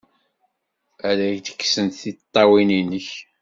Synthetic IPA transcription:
æɾæçd̪ə̥kːsənt̪θit̪ˤːɑwininəç

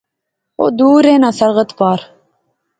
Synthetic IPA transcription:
o̰d̪uːɾeːnasɐɾʁət̪pɑːɾ

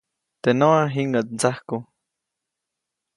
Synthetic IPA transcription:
t̪enoaɦiŋɡat̪̚nt͡sahku

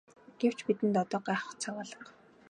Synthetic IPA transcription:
ɡ̥ew̥t͡ɕpit̪ɘ̆nt̪ɔt̪ɔːɢæːχə̥̆χt͡sʰawaːɮə̆ɴ

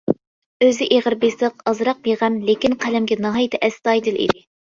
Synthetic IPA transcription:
øzɪʔeʁəɾbesəqɑzɾɑq̚beʁæmlekʲinqʰælɛmɡʲɛnɑɦɑjt̪ʰɛʔɛst̪ɑjd̪ɨlˠḭd̪ɪ

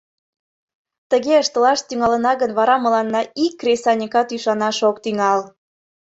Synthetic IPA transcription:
t̪əɣeəʃt̪əlɑʃt̪yŋɑlənɑɣənβɑɾɑməlɑnːɑikːrʲesɑnʲikɑt̪yʃɑnɑʃokt̪yŋɑl

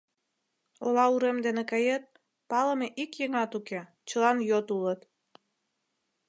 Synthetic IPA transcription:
olɑuɾemd̪enekɑjet̪̚ | pɑləmeʔikjeŋɑt̪uke | t͡ɕəlɑnjot̪ulət̪

